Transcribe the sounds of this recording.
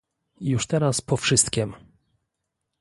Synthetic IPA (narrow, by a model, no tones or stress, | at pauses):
juʂt̪ɛɾaspɔfʂɘst̪kʲɛm